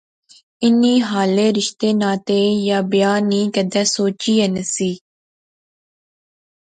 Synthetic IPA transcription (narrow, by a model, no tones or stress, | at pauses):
ɪniːɦaːleːɾɪʃt̪eːnãːt̪eːjaːbjaːnĩːkəd̪ɛːsoːt͡ʃiːenəsiː